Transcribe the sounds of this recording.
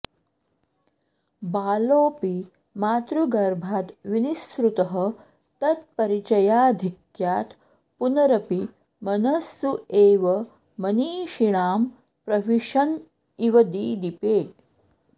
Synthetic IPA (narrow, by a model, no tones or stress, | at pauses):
baːloːpi | maːt̪ɾuɡɐɾbʱat̪ʋinisɾut̪əɦə | t̪ɐt̪pɐɾit͡ɕɐjad̪ʱikjaːt̪ | punɐɾɐpi | mɐnɐsːueːʋə | mɐniːʃiɽaːm | pɾɐʋiʂɐn | iʋɐd̪iːd̪ipeː